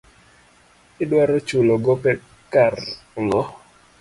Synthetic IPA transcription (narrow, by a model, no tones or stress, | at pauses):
ɪdwaɾɔt͡ʃuloɡɔpɛ | karŋɡɔ